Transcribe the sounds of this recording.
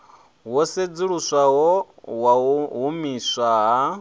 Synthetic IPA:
wɔsed͡ziɺusʷawɔwaɦumisʷaɦa

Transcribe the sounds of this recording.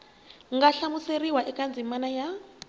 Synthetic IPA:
ŋɡaɬamuseriwaʔɛkand͡zʱimanaja

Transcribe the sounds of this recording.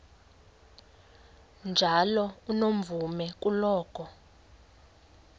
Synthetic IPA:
nd͡ʒʱalɔunom̩vumɛk̬ʼulɔːk̬ʰʼɔ

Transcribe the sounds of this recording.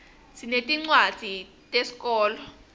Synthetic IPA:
sinetʼiŋ͡ǀwḁd͡z̥ʱi | tʼesi̥kʼɔːlɔ

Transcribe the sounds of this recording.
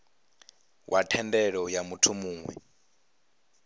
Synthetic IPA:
wʔatʰɛndɛɺɔjamutʰumuːŋwɛ̰

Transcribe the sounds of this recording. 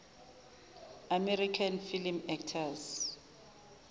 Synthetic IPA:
amɛrikʰanfilimɛktʰas

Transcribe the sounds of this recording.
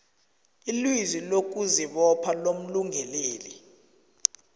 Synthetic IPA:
ilwizilok̬uziɓɔpʰalom̩luŋʱɛleːli

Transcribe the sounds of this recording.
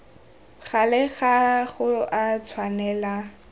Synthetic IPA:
χalɛɣaχʊʔat͡sʰwanɛːla

